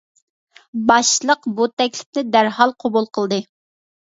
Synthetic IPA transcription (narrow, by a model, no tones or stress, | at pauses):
bɑʃlˠəqbut̪ɛkʲlɪ̥pnɪd̪æɾhɑlˠqʰobulˠqʰəlˠd̪ɨ